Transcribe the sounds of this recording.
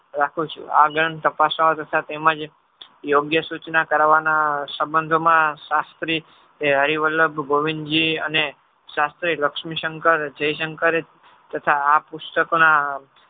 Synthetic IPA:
ɾakʰũt͡ʃʰṵa̰ɡəɾɳt̪əpasaot̪ət̪ʰat̪eməd͡ʒ | joɡjəsut͡ʃnakəɾaʋanasəbənd̪ʱomãʃast̪ɾi | eɦəɾiʋələbɡoʋind͡ʒiə̰ne | ʃast̪ɾiləkʃmiʃəŋkəɾd͡ʒəiʃəŋkəɾe | t̪ət̪ʰaːpust̪əkona

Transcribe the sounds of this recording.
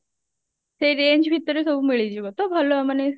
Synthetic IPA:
seɾeɲd͡ʑbʱit̪əɾesobuːmiɭit͡ɕiːɦot̪obʱəloməne

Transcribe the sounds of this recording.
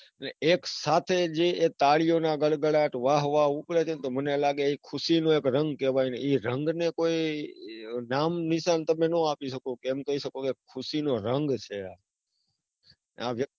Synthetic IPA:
əneeksat̪ʰed͡ʒeet̪aɭijonaɡəɭɡəɭaʈʋaɦʋauklet͡ʃʰent̪omənelaɡeikʰʊʃinũekɾəŋɡkeʋajneiɾəŋɡnekoi | namnɪʃant̪əmenũapiʃəkokeɛmkəiʃəkokekʰːʊʃinoɾəŋɡt͡ʃʰea | a̰ʋjə

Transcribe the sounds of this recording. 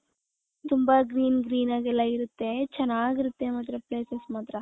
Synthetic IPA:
t̪umbɐɡɾiːnɡɾiːnaːɡɛlːɐiɾut̪ːe̞t͡ʃɛnːaːɡiɾut̪ːe̞mɐt̪ɾepleːsesmaːt̪ɾɐ

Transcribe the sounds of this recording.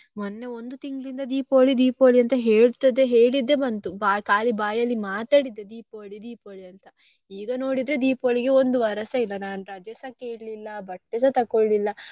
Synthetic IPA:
monːe̞ond̪ut̪iŋɡlind̪ɐd̪iːpo̞ːɭid̪iːpoːɭiɐnt̪ɐɦe̞ːɭt̪ɐd̪e̞ɦe̞ːɭid̪ːe̞bɐnt̪ubaːkaːlibaːjɐlːimaːt̪aːɽid̪ːe̞d̪iːpoːɭid̪iːpoːɭiɐnt̪ɐ | iːɡɐno̞ːɽid̪ɾe̞d̪iːpo̞ːɭiɡe̞ond̪uʋɐɾɐsɐilːɐnaːnuɾɐd͡ʒɐsɐkeːɽlilːɐbɐʈːisɐt̪ɐkoɭːilːɐ

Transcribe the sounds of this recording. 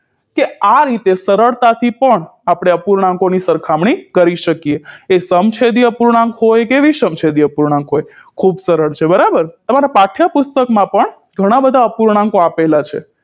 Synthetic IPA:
keaɾit̪esəɾəɭt̪at̪ʰipəɳapɽ̃eəpuɾɳãŋkonisəɾkʰamɳ̃ikəɾiʃəkieːsəmt͡ʃʰed̪iəpuɾɳãŋkɦojkeʋisəmt͡ʃʰed̪iəpuɾɳãŋkɦojkʰubsəɾəɭt͡ʃʰebəɾabəɾt̪əmaɾapaʈʰjapʊst̪əkmãpəɳ | ɡʱəɽ̃abəd̪ʱaəpuɾɳ̃ãŋkoapelat͡ʃʰe

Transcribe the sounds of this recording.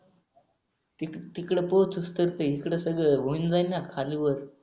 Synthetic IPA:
it̪ikɽəpot͡sust̪əɾt̪əɦikɽəsəɡɭəʋond͡zajnakʰaliʋəɾ

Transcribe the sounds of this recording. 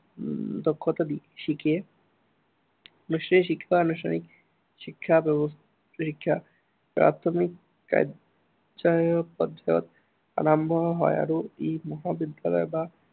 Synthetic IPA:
d̪okʰːot̪ad̪ikeʃike | nuʃtʰanikʃikʰːabaanuʃtʰa̰nik | ʃikʰːabɛbos | ʃikʰːa | pɾa̰t̪ʰomikː | a̰j | d͡ʑaeopɔd̪ao̰t̪ | a̰ɾambʱɔɦɔea̰ɾoemɔɦabid̪jalɔ̰eba

